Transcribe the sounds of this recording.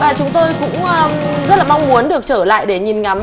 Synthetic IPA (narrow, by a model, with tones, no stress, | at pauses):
vaː˨˩t͡ɕʊ˨˦ŋ͡mt̪o˧jkʊ̰˧˥ŋ͡məː˧ | zə˦˥t̚laː˨˩ma˧wŋ͡mmu˨˦ənɗɨ˨˩ək̚t͡ɕəː˧˩la̰ː˧˨jɗe˧˩ɲi˨˩nŋa˨˦m